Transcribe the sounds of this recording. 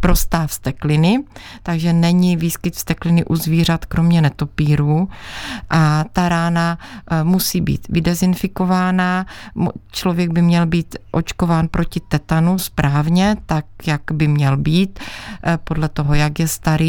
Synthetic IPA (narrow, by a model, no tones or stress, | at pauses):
pɾo̞st̪aːfst̪ɛklɪnɪ | t̪aɡʒɛnɛɲɪviːskɪt̪fst̪ɛklɪnɪʔuzviːr̝at̪kɾo̞mɲɛnɛt̪o̞piːɾuːʔat̪aɾaːnamusiːbḭːt̪vɪdɛzɪnfɪko̞vaːna | t͡ʃlovjɛɡ̚bɪmɲɛlbiːt̪ʔo̞t͡ʃko̞vaːnpɾo̞cɪt̪ɛt̪anuspɾʔaːvɲɛt̪ak̚jakbɪmɲɛlbiːt̪po̞dlɛt̪o̞ɦojakjɛst̪aɾiː